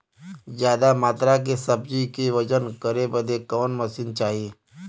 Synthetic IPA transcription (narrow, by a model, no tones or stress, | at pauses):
zjaːd̪amaːt̪ɾak̬esəbd͡ʒikiʋəd͡ʒənkəɾebəd̪ekɔːnməsint͡ʃaːɦie